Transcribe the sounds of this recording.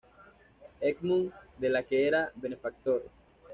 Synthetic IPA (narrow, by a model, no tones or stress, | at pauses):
ekmuŋd̪elakeeɾabenefak̚t̪oɾ